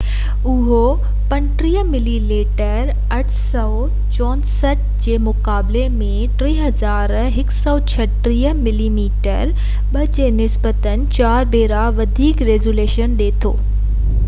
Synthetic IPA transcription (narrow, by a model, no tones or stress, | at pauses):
ʊɦo | pɐnʈɾiːɦəmɪlileːʈəɾ | ɐʈʰsɔː | t͡ɕɔ̃ːnsəʈ̚d͡ʑeːmʊkaːblemẽʈɾiːɦɐzaːɾ | ɦɪksɔːt͡ɕʰɐʈɾiːəmɪliːmiːʈə̰ɾ | ɓɐd͡ʑeːnɪsbət̪ənɪ̆t͡ɕaːɾbeːɾaʋɐd̪ʱiːkɾeːzuleːʃənɗeːt̪ʰo̰ː